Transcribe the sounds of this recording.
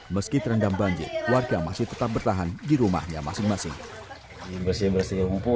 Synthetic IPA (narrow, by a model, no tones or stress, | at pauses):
məskit̪əɾəndambaɲd͡ʒɪ̰rwarɡamasɪht̪ət̪ap̚bərt̪aɦandiɾuma̰hɲa̰ma̰sɪŋmasɪŋ | ibərsibərsiumpu